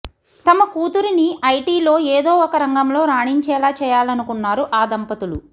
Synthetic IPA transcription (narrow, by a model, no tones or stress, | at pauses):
t̪ɐmɐkuːt̪uɾiniʔɐjʈiːlo̞ːeːd̪o̞ːɔkɐɾɐŋɡɐmlo̞ːɾaːɳiɲt͡ʃɛːlaːt͡ʃɛːjaːlɐnukunːaːɾuʔaːd̪ɐmpɐt̪ulṵ